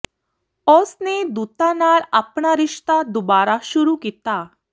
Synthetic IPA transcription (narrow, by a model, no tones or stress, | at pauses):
ɔsned̪ut̪anaɾapɳaɾɪʂt̪ad̪ubaɾaɕuɾukit̪a